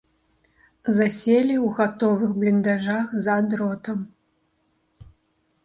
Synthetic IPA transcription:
zasʲelʲiwɣat̪ɔvɨxblʲind̪aʐaxzad̪ɾɔt̪ɐm

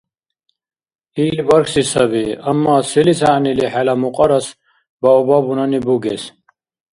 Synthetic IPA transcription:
iːlvɐɾksisɐbiɐmːaːsilisaniliħalamuqʼɐɾɐs | baubabunanibuɡes

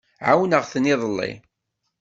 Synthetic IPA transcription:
ʕawnəʁθnɪðˤəlːḭ

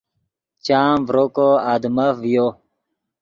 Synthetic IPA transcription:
t͡ɕaːmvɾokoad̪məfjo

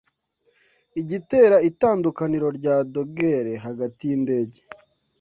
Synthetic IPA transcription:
iɟite̞ːɾaitaːndukaniɾo̞ɾɟaːdo̞ɡeɾe̞ɦaɡatijinde̞ːɟe

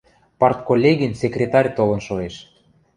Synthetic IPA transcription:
pɑrt̪̚kolʲːeɣinsʲekrʲet̪ɑrʲt̪olɤ̆nʃoeʃ

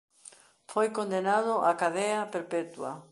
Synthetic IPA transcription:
fojkond̪enaðʊʔakaðɛɐpeɾpɛt̪wa̰

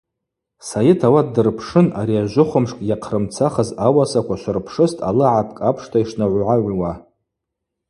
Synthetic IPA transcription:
sajɪtʰawadɨrpʰʂɨnaɾiaʒʷʊχʷʊmʂkʼjaqʰrɨmt͡sʰaχəzawasakʷʰaʃʷarpʰʂɨstʼʰa̰lɨʕapʰkʼapʰʂtʰaiʂnaʕʷʕaʕʷwa

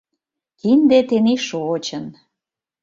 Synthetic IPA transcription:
kind̪et̪eniʃot͡ɕən

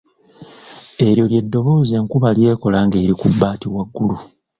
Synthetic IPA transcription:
e̞ɾjo̞lje̞dːo̞βo̞ːze̞ŋkuβalje̞ːko̞laːŋɡe̞ːɾikubːaːtiwaɡːulu

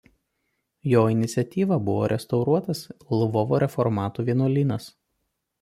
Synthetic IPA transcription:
joːɪnʲɪt̪sʲɛt̪ʲiːʋɐbʊʋo̰ːɾʲʔɛst̪ɐʊɾuɔt̪ɐslˠʊʋɔʋoːɾʲɛfɔɾmɑːt̪uːʋʲiɛnuːlʲiːnɐs

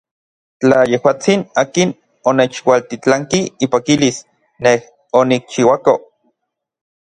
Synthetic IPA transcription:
t͡ɬajehwaːt͡sinaːkin | onet͡ʃwalt̪it͡ɬaŋkiipakilis | neh | onik̚t͡ʃiwako

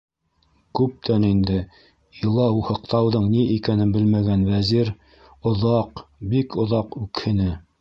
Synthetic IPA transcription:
kʉp̚t̪ʰænind̪ɘ | ilˠɑuhɤ̆q̚t̪ɑwðɤɴniʔikænɘnbɘlmæɡænwæziɾ | ŏðɑqbikŏðɑqʉkhɘ̆nɘ

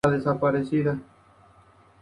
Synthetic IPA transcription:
aðesapaɾeθiða

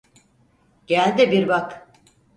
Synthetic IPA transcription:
ɟ̥ælʲd̪ibiɾbak

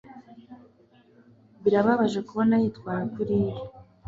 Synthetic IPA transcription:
βiɾaβaβaʒe̞kuβo̞najitkwaːɾakuɾiːɾi

